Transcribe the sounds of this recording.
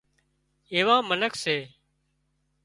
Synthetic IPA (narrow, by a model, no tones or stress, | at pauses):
eːʋãːmənəkʰseː